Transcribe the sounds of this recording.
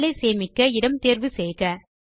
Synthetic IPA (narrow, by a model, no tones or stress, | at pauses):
lɐɪseːmɪkːɐɪɽɐmt̪eːɾʋɯseːɣɐ